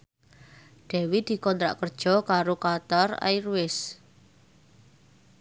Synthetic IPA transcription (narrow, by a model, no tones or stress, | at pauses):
ɖ̥ɛ̤wid̪̥i̤kɔnt̪ɾa̰ʔkərd̥ʒ̥ɔ̤kaɾokat̪ɔra̰jrwɪs